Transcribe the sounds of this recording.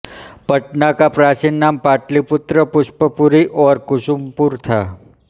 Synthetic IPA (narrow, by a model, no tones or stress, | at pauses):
pəʈnakapɾat͡ʃinːampaʈlipʊt̪ɾəpʊʃpəpuɾiʔɔɾkʊʃumpuɾt̪ʰa